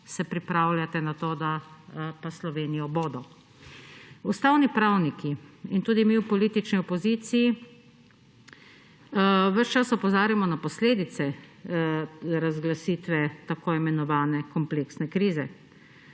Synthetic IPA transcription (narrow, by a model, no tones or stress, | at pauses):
sɛpɾipɾaːwljat̪ɛnat̪oːd̪apaslɔʋeːnijɔboːd̪ɔ | ust̪awnipɾawnikiint̪uːd̪imiwpɔliːt̪it͡ʃniɔpɔziːt̪siji | ʋəʃt͡ʃasɔpɔzaːɾjamɔnapɔsleːd̪it̪sɛ | ɾazɡlasiːt̪ʋɛt̪akoːimɛnɔʋaːnɛkɔmpleːksnɛkɾiːzɛ